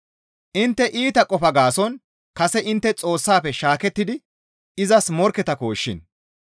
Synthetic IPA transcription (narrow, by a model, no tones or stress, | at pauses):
ʔɪnt̪ːɛʔiːt̪ɐkʼɔfɐɡaːsɔn | kɐsɛʔɪnt̪ːɛt͡sʼo̞ːsːaːpɛʃaːkɛt̪ːɪd̪ɪ | ɪzɐsmɔɾkɛt̪ɐko̞ːʃːɪ̰n